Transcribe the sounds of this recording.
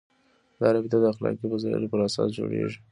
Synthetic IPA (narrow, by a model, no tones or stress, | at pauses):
d̪ɑɾabɪt̪ad̪əaxlɑkiwazɑɾa̰ɾopəɾasɑsd͡ʒoɽeʐi